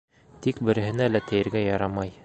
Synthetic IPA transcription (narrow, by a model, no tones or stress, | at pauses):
t̪ik̚bɘ̆ɾɘ̆ɦɘ̆nælæt̪ɘ̆jɘ̆ɾɡæjɑɾɑmɑj